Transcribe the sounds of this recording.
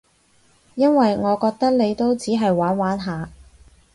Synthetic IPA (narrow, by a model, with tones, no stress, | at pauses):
jɐ˥nwɐ˨jŋɔː˨˧kɔː˧k̚t̪ɐ˥k̚ne˨˧jt̪o˥wt͡siː˨˥ɦɐ˨jwaː˨˥nwaː˨˥nɦaː˨˧